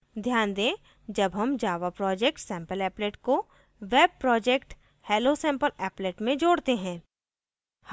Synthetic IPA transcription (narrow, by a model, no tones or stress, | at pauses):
d̪ʱjaːnd̪ẽː | d͡ʒɐbɦɐmd͡ʒaːʋapɾɔːd͡ʒek̚ʈsɛ̃ːmpəlɛːpleːʈko | ʋeːb̚pɾɔːd͡ʒekʈ | heːlosɛ̃ːmpəlɛːpleːʈmẽd͡ʒoːɽt̪eɦɛ̃ː | h